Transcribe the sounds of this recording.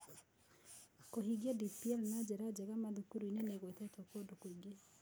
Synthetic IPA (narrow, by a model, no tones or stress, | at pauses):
koɦiɡɛdipiɛlnad͡ʒɛɾad͡ʒɛɣamaðukuɾuineneɣwetɛtokodokoiɡe